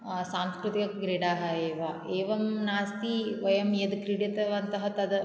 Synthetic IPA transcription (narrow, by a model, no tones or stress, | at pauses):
saːnskɾut̪ikɐɡɾiɽaːɦɐeːʋɐeːʋɐmnaːst̪iʋɐjɐmjɐd̪kɾiɽjɐt̪ɐʋɐnt̪ɐɦɐt̪ɐd̪